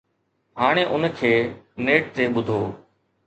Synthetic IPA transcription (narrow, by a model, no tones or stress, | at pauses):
ɦaːɽ̃eːʔʊnkʰeːneːʈ̚t̪eːɓʊd̪ʱoː